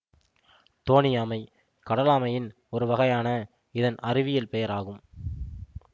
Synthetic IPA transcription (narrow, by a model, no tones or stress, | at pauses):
t̪oːnɪjaːmɐɪ | kɐɽɐlaːmɐjɪn | ɔɾɯʋɐɣɐjaːnɐ | ɪðɐnʔɐrɪʋɪjɐlpɛjɐɾaːɣɯm